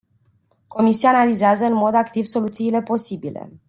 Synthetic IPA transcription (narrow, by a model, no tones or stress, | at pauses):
ko̞misijaːnalizeazəɨnmo̞d̪akt̪ivso̞lut̪siːle̞po̞sibile̞̰